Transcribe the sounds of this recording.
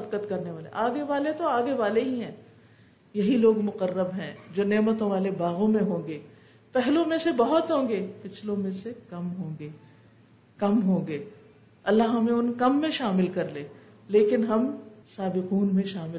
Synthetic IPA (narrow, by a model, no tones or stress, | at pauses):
ɐb̚kət̪kɐɾneʋaːlḛʔaːɡeʋaːlet̪oaːɡeʋaːleɦĩɦɛ̃ː | jɐɦiloːɡmʊqərːəbɦɛ̃ːd͡ʒoːneːmət̪õʋaːlebaːɣõmẽɦõːɡeː | pɛɦlõmẽsebɐɦʊt̪ɦõːɡeːpɪt͡ʃʰlõmẽsekɐmɦõːɡeː | kɐmɦõːɡeː | ɐlːaɦɦɐmẽʊnkɐmːẽʃaːmɪlkɐɾleː | leːkɪnɦɐmsaːbɪquːnmẽʃaːmɪ